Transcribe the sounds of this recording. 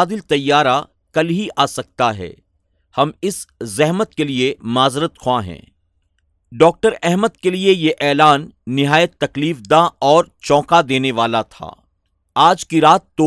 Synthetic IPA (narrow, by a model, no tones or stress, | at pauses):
d̪ɪlt̪ɐjːaːɾa | kɐlɦiʔaːsɐk̚t̪aɦɛ̰ː | hɐmɪszɛɦmət̪keliemaːzɾət̪xʰwãɦɛ̰̃ː | ɖɔːk̚ʈəɾɛɦməd̪keliejeʔɛːlaːnːɪɦaːjət̪ːɐkliːfd̪ãɔːɾt͡ʃɔ̃ːkad̪eːneʋaːlat̪ʰa̰ː | aːd͡ʒkiɾaːt̪ːo